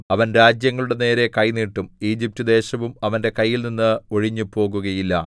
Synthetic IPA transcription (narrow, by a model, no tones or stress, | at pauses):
ɐʋɐnɾaːd͡ʑjɐŋːɐɭuɽe̞ne̞ːɾe̞kɐjniːʈːumiːd͡ʑip̚tud̪e̞ːɕɐʋumɐʋɐnde̞kɐjːilninːɨo̞ɻiɲːupo̞ːɣuɣɐjilːɐ̰